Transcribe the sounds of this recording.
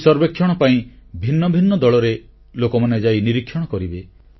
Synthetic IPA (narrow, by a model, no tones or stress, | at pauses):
sɔɾbekʰːjɔɽ̃ɔpaĩ | bʱinːɔbʱinːɔd̪ɔɭɔɾe | lokɔmaned͡ʒainiɾikʰːjɔɽ̃ɔkɔɾibe